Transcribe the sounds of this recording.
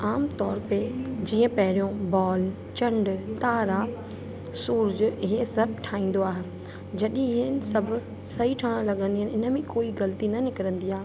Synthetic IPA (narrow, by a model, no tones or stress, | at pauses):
aːmt̪ɔːɾped͡ʑĩːə̃pɐɦɪɾijõbɔːl | t͡ɕɐ̃ɳɖt̪aːɾa | suːɾd͡ʑɪɦesɐbʱʈʰaːĩːn̆d̪oaːɦe | d͡ʑɐɗĩɦənɪ̆sɐb̆ʱ | sɐɦiʈʰaːɽ̃ə̃lɐɠə̃nd̪iɦɪnɪnə̆mẽkoːiɡɐlt̪inɐnɪkɪɾə̃nd̪iaːɦe